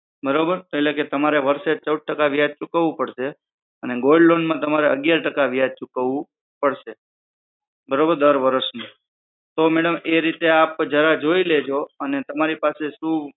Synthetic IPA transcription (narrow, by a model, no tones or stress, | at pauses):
bəɾobəɾeleket̪əmaɾeʋəɾʃet͡ʃəwɖ̪̚ʈəkaʋjjad̪̚t͡ʃukəʋũpəɽʃe | əneɡolɖlonmãt̪əmaɾeə̰ɡjaɾʈəkaʋjad̪̚t͡ʃukəʋũ | pəɽʃe | bəɾobəɾd̪əɾʋəɾəʃmũ | t̪omɛɽəmeɾit̪eapd͡ʒaɾad͡ʒoiled͡ʒoənet̪əmaɾipaseʃũ